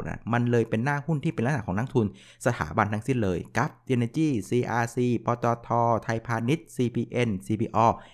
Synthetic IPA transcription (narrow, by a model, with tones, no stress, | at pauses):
ʔa̰˧˩ma˧nlɤː˧jpe˧nːaː˥˩hu˥˩nt̪ʰiː˥˩pe˧nla˦˥a˧˩kʰɔː˩˦na˥ŋt̪ʰu˧n | sa˧t̪ʰa̰ː˩˦ba˧nt̪ʰa˧ŋsi˦˥˩nlɤː˧jka˨˦˥p̚ʔe˧nʔe˧t͡ɕiː˥˩siː˧ʔaː˧siː˧˩pɔː˧t̪ɔː˧t̪ʰɔː˧t̪ʰa˧jpʰaː˧ni˦˥t̪̚siː˧pʰiː˧ʔe˧nsiː˧pʰiː˧˩ʔɔː˧˩